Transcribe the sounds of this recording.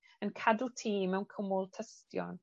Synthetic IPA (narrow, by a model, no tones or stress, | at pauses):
ənkʰadutʰiːmɛwnkʰəmʊlˠtʰəstjɔ̰n